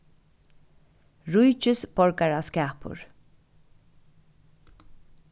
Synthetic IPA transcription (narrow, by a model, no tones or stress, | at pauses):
ɹujt͡ʃɪsbɔɹkaɹaskæːpʊ̰ɹ